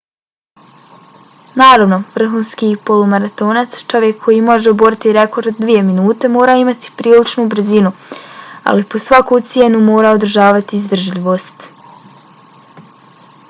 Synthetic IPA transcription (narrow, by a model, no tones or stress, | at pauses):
naːɾaʋno̞ʋr̩ɦuːnskiːpo̞lumaɾat̪o̞ːnat̪st͡ʃo̞ʋjekʰːo̞jimo̞ʒeobo̞ɾit̪iɾe̞ko̞ɾd̪d̪ʋije̞minuːt̪e̞mo̞ːɾaːimat̪i̥pɾiːlit͡ʃnubr̩zinu | a̰lipo̞sʋakut̪sjenumo̞ːɾaːod̪ɾ̩ʒaːʋat̪iːzd̪r̩ʒʎiʋo̞ːst̪